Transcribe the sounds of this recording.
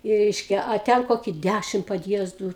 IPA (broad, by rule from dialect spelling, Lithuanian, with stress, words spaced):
ɪ ˈrʲɛɪʃʲkʲɛ ɐ ˈtʲɛn ˈkoːkʲɪ ˈdʲæʃʲɪm pɐdʲˈjiɛzduː